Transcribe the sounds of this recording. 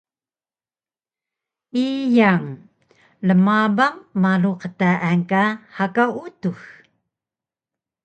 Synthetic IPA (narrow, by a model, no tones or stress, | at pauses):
ʔijaŋ | ləmabaŋmaluqətaʔankahakaʔutux